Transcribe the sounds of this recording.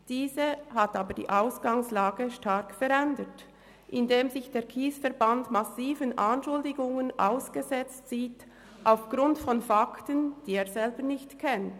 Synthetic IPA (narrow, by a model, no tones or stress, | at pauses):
d̥iːzəhataːbədḭːʔaʊsɡ̥aŋslaːɡəʃtaɾkfɛɾɛndət | ʔɪndeːmzɪçd̥eːʁkʰiːsfɛɾbantmasiːvənʔanʃʊldɪɡʊŋənʔa̰ʊsɡ̥əzɛt͡stt͡siːt | ʔaʊfɡ̥ɾʊntfɔnfaktənd̥iːeːɾz̥ɛlbənɪçtkʰɛnt